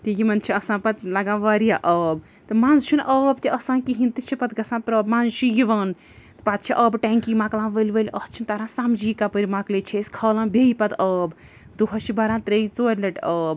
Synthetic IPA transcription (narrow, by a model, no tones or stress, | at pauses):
t̪ijimɐnt͡ʃʰiɐsãːnpɐt̪lɐɡãʋaɾijaʔəːb | t̪ɨmãːnzt͡ʃʰunʔəːbt̪iʔɐsãːnkiɦint̪it͡ʃʰipɐt̪̚ɡɐsãnpɾəːbmãnzt͡ʃʰijiʋɐn | t̪pat̪̚t͡ʃʰiʔəbʈɛŋkimãːklãnʋəlʲʋəlʲʔət͡ʃʰint̪aɾãsamd͡ʒiːkapəɾimaklet͡ʃʰiskʰəːlãnbʱeipɐt̪əːb | d̪uɦɐt͡ʃʰibaɾãnt̪ɾeit͡soːɾʲlɐʈəːb̚